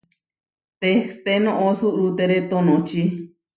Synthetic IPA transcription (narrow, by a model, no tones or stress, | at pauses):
t̪eht̪enõʔosuʔɾut̪eɾet̪onõt͡ʃi